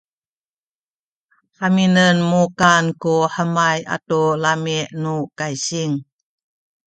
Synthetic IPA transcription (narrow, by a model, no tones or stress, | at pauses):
ħaminənmukankuħəmaja̰tolameʔnukajsiŋ